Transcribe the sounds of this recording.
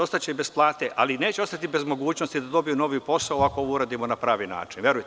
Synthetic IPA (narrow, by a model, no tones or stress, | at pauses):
o̞st̪at͡ɕeibe̞splˠaːt̪eʔaline̞ːt͡ɕeo̞st̪at̪ibe̞zmo̞ɡuːt͡ɕno̞st̪id̪ad̪o̞bijuno̞ʋipo̞saoakooʋuɾaːd̪imonapɾaːʋina̰ːt͡ʃinʋʲje̞ɾujt̪